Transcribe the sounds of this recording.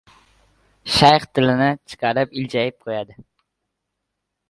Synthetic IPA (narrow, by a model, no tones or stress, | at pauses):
ʃɑjχt̪ʰɪlɪnɪt͡ʃʰɨ̥qʰɑɾɪpilt͡ʃɛjɪp̚qʰojɑd̪ɪ